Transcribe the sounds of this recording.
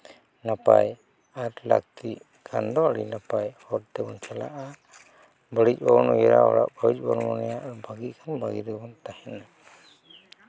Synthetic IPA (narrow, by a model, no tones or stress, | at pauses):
napa̰j | aɾla̰k̚t̪iʔ | kʰand̪ɔaɽḭnapajhɔɾt̪ɛbɔnt͡ʃala̰ʔa | bəɽic̚ˀbɔnɔjɛɾa̰ɦɔ̰ɽa̰ʔbawic̚ˀbɔnmɔnɛjaʔbaɡiʔ̚kʰanbaɡiɾɛbɔnt̪ahɛna